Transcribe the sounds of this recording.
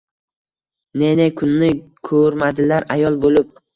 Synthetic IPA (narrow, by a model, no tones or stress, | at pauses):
nenekʰʊnːɪkʰɵɾmad̪ɪlaɾajɒlˠbolɪp̚